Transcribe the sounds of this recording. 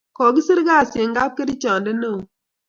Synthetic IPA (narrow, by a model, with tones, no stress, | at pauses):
kɔ˨ɡi˦si˦ɾɡa˦˨se˨ŋ˦ɡa˦p̚kə˦ɾi˦t͡ʃa˨n˨də˦nə˦˨